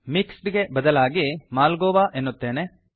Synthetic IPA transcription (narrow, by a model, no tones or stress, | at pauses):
miksʈɡe̞bɐd̪ɐlaːɡimaːlɡoːʋaʔenːut̪ːe̞ːne